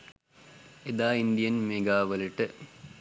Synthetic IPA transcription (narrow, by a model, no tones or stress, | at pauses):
ed̪aːind̪ijɐnmeːɡaːʋɐliʈːɨ